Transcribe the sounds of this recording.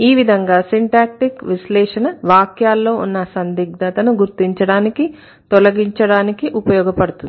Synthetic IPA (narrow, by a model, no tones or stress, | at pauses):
iːʋid̪ʱɐŋɡaːsiɳʈaːk̚ʈikʋiʃlɛːʂɐnɐʋaːkjaːlːo̞ːʔṵnːɐsɐnd̪iɡ̚d̪ɐt̪ɐnuɡuɾt̪iɲt͡ʃɐɽaːniki | t̪ɔlɐɡiɲt͡ʃɐɽaːnikiʔupɐjɔːɡɐpɐɽut̪undi